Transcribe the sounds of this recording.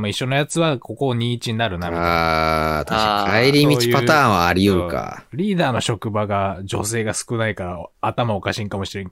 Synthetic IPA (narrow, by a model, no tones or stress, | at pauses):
moiɕːo̞no̞jat͡sɨβakʰo̞ko̞ɲ̟ĩit͡ɕiɲ̟inaɾɯ̟naiaat̪aɕikʰaeɾʲimʲit͡ɕi̥pat̪ãːɰ̃βaːɾʲiɯɯka̰ɾʲiːd̪aːno̞ɕo̞kɯ̟baɡad͡ʑo̞̰se̞ːɡasɨ̥kɯ̟naikaɾaːt̪amao̞kaɕĩŋkamo̞ɕiɾẽŋ